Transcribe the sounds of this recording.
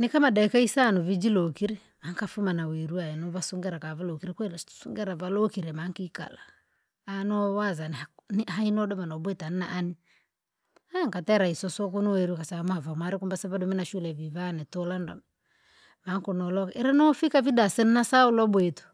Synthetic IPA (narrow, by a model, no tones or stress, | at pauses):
nikamadaikaisanuvid͡ʒilokiɾi | aŋkafumanawɛɾuaɛnɔvasuŋɡɛɾakavalokiɾɛkwɛl̥suŋɡɛɾavalɔkiɾɛmaŋkika̰laː | nɔwazanhanɦainɔdɔmanabɛtanɛnaʔːni | aŋkatɛɾaisɔsɔkunuwɛɾukasamɔavamwaɾɛkumbasavadɔminaʃulɛvivanɛtɔlandɔ̰m | maŋkunɔlɔkɛɾɛnɔfikavidasɛnnasaulɔbwɛtu̥